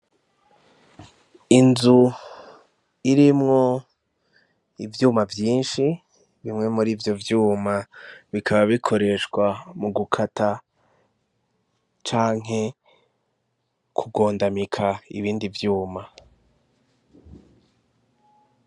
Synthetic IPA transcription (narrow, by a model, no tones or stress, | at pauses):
inzu | iɾimŋo̞ | ivjuːmavjiːnʃi | βimŋe̞muɾiːvjo̞vjuːmaβikʰaβaβikʰo̞ɾe̞ʃkwamuɡukʰata | t͡ʃaːŋe̞ | kʰuɡo̞ːndamikʰaḭβiːndivjuːma